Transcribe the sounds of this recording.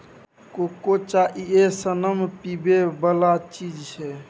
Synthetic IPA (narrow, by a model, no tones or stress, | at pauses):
kokot͡ʃaʔiesənəmpibebəlat͡ʃid͡ʒt͡ʃʰɛ